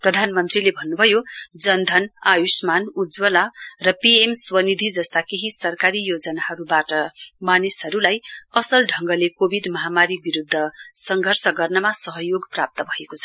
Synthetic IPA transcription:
prʌd̪ʱanmʌnt̪rilebʱʌnːubʱʌjod͡zʌnd̪ʱʌnajusmanud͡zwʌlarʌpiemswʌnid̪ʱid͡zʌst̪akeɦisʌrkaɾijod͡zʌnaɦʌɾubaʈʌmanisʌɾulajʌsʌlɖʱʌŋɡʌlekobʱiɖmʌɦamaɾibiɾud̪ʱːʌsʌŋɡʱʌrsʰʌɡʌrnʌmasʌɦʌjoɡprap̚t̪ʌbʱʌekot͡sʰʌ

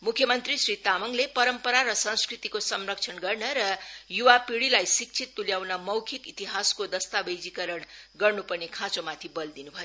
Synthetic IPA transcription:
mukʰjʌmʌnt̪risrit̪amʌŋlepʌɾʌmpʌɾaɾʌsʌ̃nskrit̪ikosʌmrʌk̚t͡sʰʌnɡʌrnʌɾʌjuwapiɽilajsik̚t͡sʰit̪ːuljawnʌmʌwkʰikit̪iɦaskod̪ʌst̪abʌjd͡zikʌɾʌɳɡʌrnupʌrnekʰãt͡somat̪ʰibʌld̪inubʱʌjo

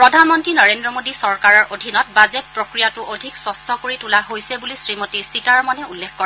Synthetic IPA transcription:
pɹɔdʱanmɔntɹinɔɹendɹɔmodisɔɹkaɹɔɹʔodʱinɔt̚bazɛt̚pɹokɹijatʊʔodʱiksɔstʰɔkoɹitulaɦojsɛbulisɹimotisitaɹmɔnɛulːekʰkɔɹ

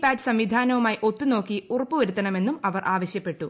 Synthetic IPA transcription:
paːdɨ̥sɐmʋid̪ʱaːnɐʋumaːjiʔo̞t̪ːuno̞ːkːiurɐpːuʋɐɾut̪ːɐɳɐme̞nːumɐʋɐrʔaːʋɐɕjɐpːe̞ʈːu

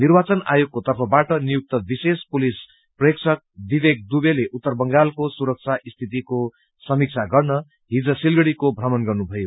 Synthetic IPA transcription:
nirbat͡sʌna̰joɡ̚kot̪ʌrpʰʌbaʈʌnijuk̚t̪ʌbisespulis | preksʰʌk̚d̪ibek̚d̪ubeleʔut̪ːʌrbʌŋɡalkosuɾʌk̚t͡sʰaʔist̪ʰit̪̬iko | sʌmik̚t͡sʰaɡʌrnʌ | ɦid͡zʌsilɡʌɽikobʱrʌmʌnɡʌrnubʱʌjo

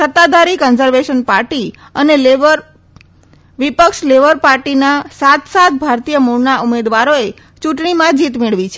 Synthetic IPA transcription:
sət̪ːad̪aɾikɔnzəɾʋeʃənpaɾʈi | əneleʋəɾ | ʋipəkʃleʋəɾpaɾʈinasat̪sat̪̚bʱaɾt̪ijəmuɾnaʔumed̪ʋaɾoe | t͡ʃuʈɳimãd͡ʒit̪meɭʋit͡ʃʰe

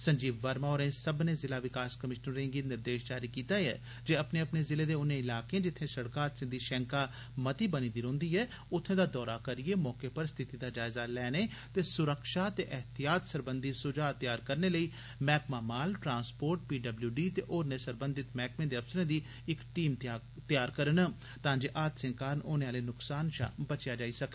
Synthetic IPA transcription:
sə̃ɲd͡ʒiːbʋəɾmaoːɾẽːsəbnẽːzɪlaːʋɪkaːskəmɪʃnəɾɾẽːŋɡiːnɪɾd̪eːʃd͡ʒaːɾiːkiːt̪aːɛ̰ː | d͡ʒeːəpneːəpneːzɪleːd̪eːʊnẽːɪlaːkeẽːd͡ʒɪt̪ʰːẽːsəɽkaːt̪sɪnd̪iːʃɛ̃ːŋkaː | mət̪iːbənĩːd̪iɾõːnd̪iːɛː | ʊt̪ʰːẽːd̪aːd̪ɔːɾaːkəɾieːmɔːkeːpəɾst̪ʰɪt̪iːd̪aːd͡ʒaːɪzaːlɛːneːt̪eːsʊɾəkʃaːt̪eːʔɛɦt̪ijaːt̪səɾbənd̪iːsʊd͡ʒaːt̪ɪjaːɾkəɾneːləiː | mɛːkmaːmaːlʈɾãːnspoːɾʈ̚piːɖəbljuːɖiːt̪ḛːʔoːɾneːsəɾbənd̪ɪt̪mɛːkmẽːd̪eːəfsəɾẽːd̪iː | ɪkʈiːm | t̪jaːɾkəɾən | t̪ãːd͡ʒeːʔaːt̪sɪ̃ŋkaːɾnoːneːaːleːnʊksaːnʃa̰ːbət͡ʃjaːd͡ʒaːiːsəkː

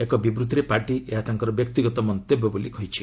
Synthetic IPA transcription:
ekɔbibɾud̪ʱɾepaɾʈieɦat̪aŋkɔɾɔbjɔk̚t̪iɡɔt̪ɔmɔnt̪ebɔbolikɔɦit͡ʃʰi̥

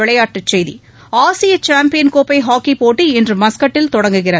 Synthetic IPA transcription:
ɪɭɐjaːʈːɯt͡ʃːɛjðḭ | aːsɪjɐt͡ʃaːmpɪjɐnkoːpɐɪɦaːkːipoːʈːiɪndrɯmɐskɐʈːɪlt̪ɔɽɐŋɡɯɣɪrɐ

